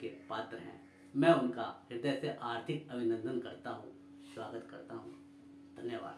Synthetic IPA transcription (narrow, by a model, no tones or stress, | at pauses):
kepaːt̪ɾəɦɛ̰̃ː | mɛ̃ːʊnkaɦɪɾd̪əjseʔaːɾt̪ʰɪkɐbɪnə̃nd̪ʱənkɐɾt̪aɦṵ̃ | swaːɡət̪kɐɾt̪aɦṵ̃ | d̪ʱɐnjəʋa̰ːd̪